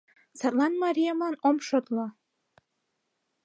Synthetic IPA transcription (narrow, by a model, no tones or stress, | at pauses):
sɑt̪lɑnmɑɾʲijamɑnomʃot̪lɑ